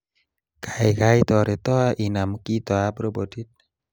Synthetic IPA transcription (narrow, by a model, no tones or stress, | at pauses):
kʰajɡajt̪ɔɾet̪ɔaʔinamukit̪ɔabɾobodit̚